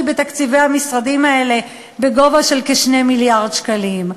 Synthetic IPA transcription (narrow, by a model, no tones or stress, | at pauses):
bet̪akt͡sive̞hamisʁadimae̞le̞ | be̞ɡo̞vaʃe̞lkeʃne̞miljaʁd̪ʃkalim